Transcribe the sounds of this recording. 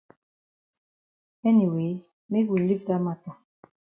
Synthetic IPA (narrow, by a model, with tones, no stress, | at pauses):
ɛ˦ni˨we˨˦ | me˦kwi˨li˦vda˦ma˦˨tɔ˨